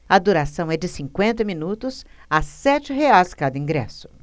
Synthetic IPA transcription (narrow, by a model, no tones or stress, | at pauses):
ɐd̪uɾasɐ̃w̃ɛd͡ʒɪsĩŋkwẽnt̪̬ɐmĩnut̪ʊsasɛt͡ʃɪɦeajzkad̪ɐĩŋɡɾɛ̰sʊ̥